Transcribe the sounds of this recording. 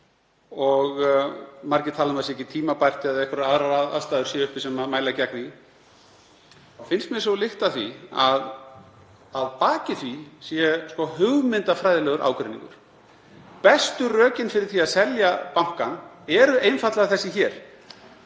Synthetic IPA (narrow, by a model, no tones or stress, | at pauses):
ɔɣ | maɾcɪt̪ʰaːlanmasɛcːɪt̪ʰiːmapajr̥t̪ɪaðɛhkʏɾaðɾaaa̰ðst̪aːðʏɾ̥sjɛʏhpɪsɛmaðmaːjlacakni | fɪnst̪mjɛ̥sɔlɪht̪aθiað | aðpaːcɪθvisjɛskɔhʏɣmɪnt̪afɾajðɪlɛɣʏɾʔa̰ːwkɾɛnḭŋkʏ̰ɾ̥ | pɛst̪ʏrœːcɪnfɪɾɪɾ̥θiaðsɛljapawŋ̥kanɛɾʏejnfat̪laɣaθɛsːɪçɛːɾ̥